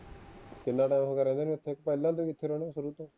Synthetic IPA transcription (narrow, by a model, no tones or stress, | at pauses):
kɪnːãːʈaːjmkəɾɛ̃ːd̪eːnĩːʊt̪ʰːeːkpɛːlãːt̪̬õːɪt̪ʰːeːɾoːɽ̃esʊɾuːt̪õː